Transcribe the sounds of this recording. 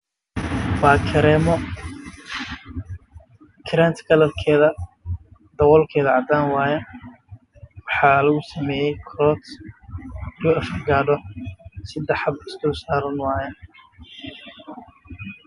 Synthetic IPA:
waːkʰɐɾɛːmɔ | kʰɾaːnt̪ʰɡʰɐlɐlkʰɛːðɐ | d̪ɐwɔlkʰɛːðɐʕɑd̪aːnwaːjɛ | wɑħɑːlɐɣʊsɐmɛːjɛjkʰɾɔt̪ | uɐfɐɡaːɖɔsɪd̪ɑħɑbɪst̪ɔːsaːɾɐnwaːjɛ

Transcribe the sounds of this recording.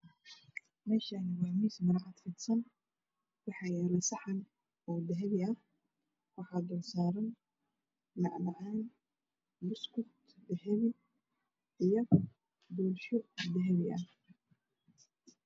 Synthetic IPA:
mɛːʃaːnɪwɑːmiːsmɐɾʕad̪fɪd̪sɐn | wɑħɑːjɛːlɛsɑħɑn | ɔːd̪ɐɦɛβɪɐh | wɑħɑːd̪ɔːsaːɾɐnː | ɑʕnɐʕaːn | mʊskʊt̪ | d̪ɛhɛβɪ | ʔijɔ | buːlʃɔd̪ɐɦɛβɪʔɐh

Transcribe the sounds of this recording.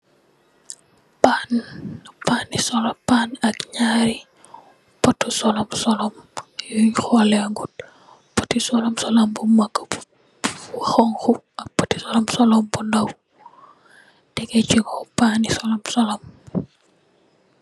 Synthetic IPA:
panːpanisɔlɔpanɐkɲaɾi | pɔtːusɔlɔmsɔlɔmjuxɔlɛŋɡut̚ | pɔtisɔlɔmsɔlambumakː | waxɔŋxu | ɐk̚pɔti̥sɔlɔmsɔlɔmbundaw | d̥ɛkɛt͡ʃikɔpanisɔlɔmsɔlɔm

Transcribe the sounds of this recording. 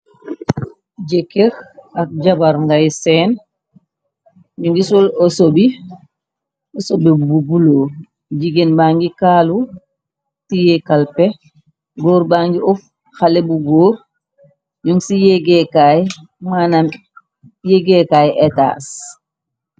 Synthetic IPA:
ɟekeɾak̚ɟabaɾŋɡajseːn | ɲuŋɡisolosobi | osobebbubuloː | ɟiɡenbaːŋɡikaːlu | tijekalpe | ɡoːɾbaːŋɡiʔof | xalebuɡoːɾ | ɲuŋɡsijeɡekaj | manam | jeɡekajʔeta̰ːs

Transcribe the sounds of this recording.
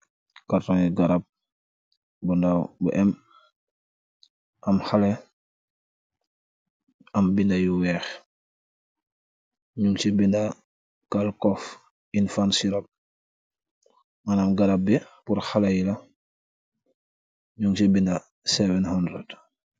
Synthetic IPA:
kaɾtɔŋiɡaɾab̚ | bundawbṵʔɛm | ʔɐmxalɛ | ɐmbindajuwɛːx | ɲuŋt͡ʃibinda | kalkɔf | infansiɾɔp̚ | manamɡaɾab̚bɛpuɾxalɐjilɐ | ɲuŋt͡ʃibinda | sɛvɛnhandɾad

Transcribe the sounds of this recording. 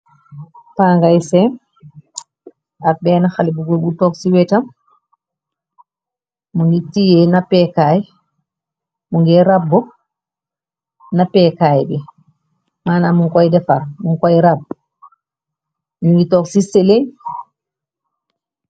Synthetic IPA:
taŋɡajsɛn | ak̚bɛːnaxalibuɡulɡutɔksiwɛtam | muŋɡitijɛnapɛkaːj | muŋɡɛɾabːɔ | napɛkaːjbɛ | maːnamuŋkɔjdɛfaɾmuŋkɔjɾab̚ | muŋɡitɔksiselej

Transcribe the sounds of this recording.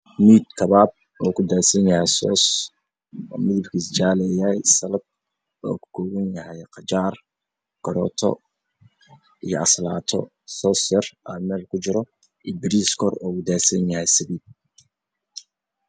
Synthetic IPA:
miːd̪kʰɐβaːb̚ | ɔːkʰʊd̪aːsɐnjɐhɛjsɔ̰ːs | mɪðɪbkʰiːst͡ʃaːlɛjɐjsɐlɐd̪̚ | ɔːkʰʊ̥kʰɔːwɐnjɐɦɛjqɑt͡ʃaːr | ɡ̥ɐɾɔːt̪ʰɔ̰ | ijɔɐslaːt̪ʰɔ̰ | sɔːsjɐrʔamɛːlkʰʊt͡ʃɪɾɔ | ʔibɪɾiːskʰɔɾɔːkʊd̪aːsɐnjɐhɛjsɐβiːd̪̚

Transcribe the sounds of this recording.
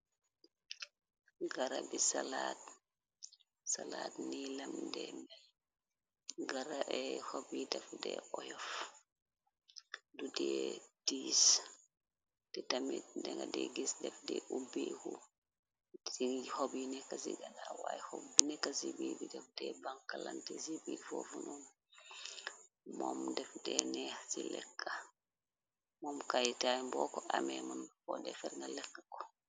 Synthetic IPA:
ɡaɾabisalat | salatnilamdɛma | ɡaɾaɛhobidɛfdɛɔjɔf | dudɛd̥iːs | d̥ɛtamitdɛŋɡadɛɡisdɛfdɛʔubihu | sihobinɛkasiɡadawajhobːinɛkasibibidɛfdɛbaŋkːalantɛsibifɔfunɔm | mɔmdɛfdɛnɛsilɛ̰kːa | mɔmkajitajmbɔkɔʔamɛmanfɔdɛfɛɾŋɡalɛkːḁkɔ̥

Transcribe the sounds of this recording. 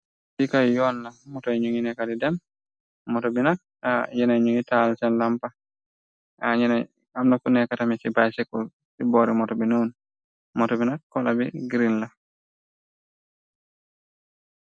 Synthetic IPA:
sikajjɔnːamɔtɔɲuŋinɛkadidɛm | mɔtɔbinak̚ | ajɛnajɲuŋitalsɛnlampa | aɲɛna | amnafunɛkatamisibajsɛkul | sibɔɾimɔtɔbinun | mɔtɔbinakːɔlabḭɡɾinla

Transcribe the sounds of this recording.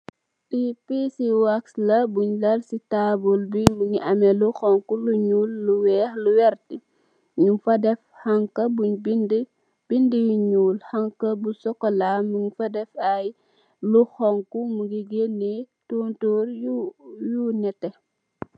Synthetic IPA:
tipisiuakslɐbuɲlɐlsitaːbɔlbimuɲiʔɐmɛluxɔŋkuluɲulːuwɛːxluwɛɾti | ɲufɐdɛf | haŋkɐbuɲbid | b̥indijuɲuːlhɐŋkɐbusɔkːɔlaːmuŋfɐdɛfɐj | luxɔŋkumuɡiɡenːitoːntoːɾjujuːnɛtːɛ

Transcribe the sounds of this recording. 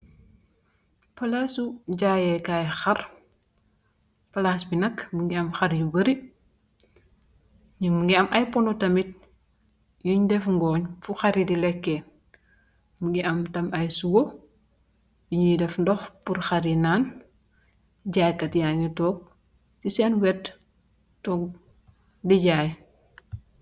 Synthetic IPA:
pɐlaːsuɟaːjɛkaːjxɐr | pɐlaːsbinɐkbuŋɡiɐmxɐɾjubɐɾi | ɲimuŋɡiɐmʔɐjpɔnɔtɐmit̚ | juɲdɛfŋɡɔːɲfuxaɾidilɛkːɛ | muŋɡiʔɐmtɐmɐjsuɡo | juɲidɛfndɔxpuɾxaɾinaːn | ɟaːjkɐtjaːŋitɔːk̚ | tisɛnwɛt | tɔːk̚ | diɟaːj

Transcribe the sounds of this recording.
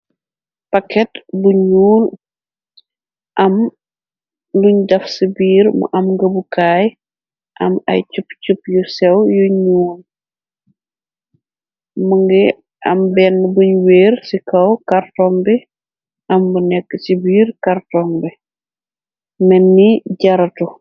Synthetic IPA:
pɐkːɛtbuɲuːl | ʔɐm | luɲdɐfsibiːɾmɐ̰ʔɐmɡɐbukaːj | ʔɐ̰mɐ̰jt͡ʃupt͡ʃupjusɛwjuɲuːl | mɐŋɡɛ | ɐ̰mbɛnːbuɲweːɾsikɐwkartɔŋbɛ | ʔɐmbunɛkːəsibiːɾkartɔːŋbɛ | mɛnːiɟɐɾɐtu

